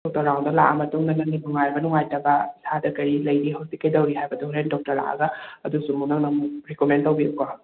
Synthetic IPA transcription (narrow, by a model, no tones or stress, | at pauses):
ɔk̚tɐɾawndɔlaʔamɐtuŋnananibuŋaɾbɐnuŋajtɐbɐsadɐkɐɾilɐjɾiɦawsikːɐjdɐwɾiɦajbɐduŋɾendɔk̚tɐɾla̰ʔa̰ɡaɐdusumunaŋnamɾikomentɐwbiukɔ